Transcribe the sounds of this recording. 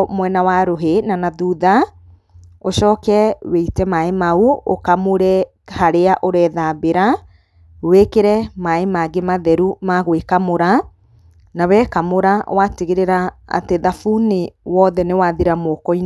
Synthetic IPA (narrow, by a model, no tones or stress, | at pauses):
mwɛnawaɾoɦenanaðuːða | oʃɔːkɛweitɛmaemauo̰kamoɾɛ | haɾeaʔoɾɛːðabeɾa | wekeɾɛmaemaɡemaðɛɾumaɣwekamoɾa | nawɛkamoɾawateɣeɾeɾaa̰teðafunewɔðɛnewaðiɾamokɔi